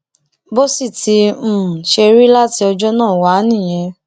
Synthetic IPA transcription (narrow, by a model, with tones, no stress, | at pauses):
bo˦si˦˨tʰi˧m̩˦˨ʃe˧ɾi˦la˦ti˧ɔ˧d͡ʒɔ˦nãː˦˨wa˨˦nĩ˦˨j̃ɛ̃˧